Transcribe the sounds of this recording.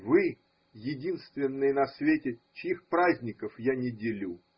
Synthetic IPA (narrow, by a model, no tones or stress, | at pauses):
vɨ | jɪdʲinst̪vʲɪnːɨjənɐsvʲetʲɪt͡ɕɪixpɾazʲnʲɪkəfjanʲɪdʲɪlʲu